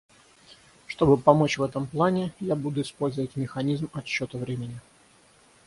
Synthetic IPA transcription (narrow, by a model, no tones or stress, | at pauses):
ʂt̪o̞bɨpɐmo̞t͡ɕvɛt̪əmplˠanʲɪjabud̪ʊɪspo̞lʲzəvətʲmʲɪxɐnʲizmɐɕːo̞t̪əvɾʲemʲɪnʲɪ